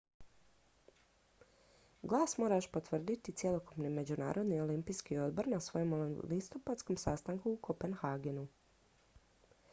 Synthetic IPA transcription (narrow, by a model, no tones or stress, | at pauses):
ɡlˠaːsmo̞ːɾaʃpo̞t̪ʋr̩d̪it̪it̪sjelo̞kupnime̞d͡ʑuna̰ːɾo̞d̪nio̞limpijskio̞d̪bo̞ɾnasʋo̞jomlist̪o̞pat̪sko̞msast̪aŋkuːkʰopenxaːɡenu